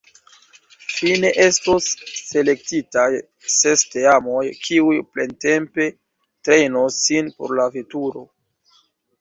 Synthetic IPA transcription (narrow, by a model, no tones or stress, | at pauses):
fine̞ʔe̞stosːe̞le̞k̚titaj | se̞steamojkʰiujplente̞mpe̞ | tɾe̞jnosːinpo̞̰ɾlavetuɾo̞